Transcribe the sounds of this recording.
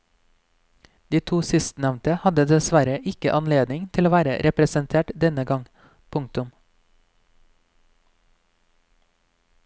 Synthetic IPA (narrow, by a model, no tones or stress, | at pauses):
d̪̥iːt̪ʰuːsɪst̪nɛʋnt̪əhɑd̪əd̪ɛsʋæɾəʔɪkəʔɑnleːd̪nɪŋt̪ʰɪloːʋæːɾə̰ɾʔɛpɾɛsənt̪ʰeːʈd̪ɛnəɡɑŋ | pʰʊŋt̪ʉm